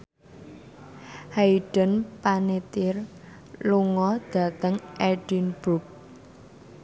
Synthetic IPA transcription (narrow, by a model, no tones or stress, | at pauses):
haiɖ̥ə̤npanet̪ɪr | luŋɔd̪̥ä̤t̪əŋʔɛɖ̥inb̥uk̚